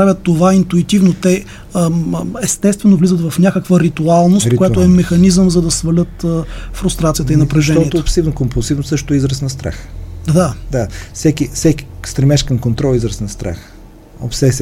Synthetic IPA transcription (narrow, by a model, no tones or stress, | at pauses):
ɾavʲət̪ːovaint̪uit̪ivnot̪ɛ | ɛst̪ɛst̪vɛnovlizət̪vɐfnʲakəkvəɾit̪ualˠnost̪kojaoɛmɛxɐnizəmzɐd̪ɐsvɐlʲət̪əfɾʊst̪ɾat̪sijət̪əinɐpɾɛʒɛnɔiɛt̪oːpsivnokompolˠsivnosɤʃt̪ʊizɾəsnɐst̪ɾa̰xd̪ad̪asɛkifsɛki̥st̪ɾɛmɛʃkəmkont̪ɾɔlˠizɾəsnɐst̪ɾa̰x | o̰psɛsʲ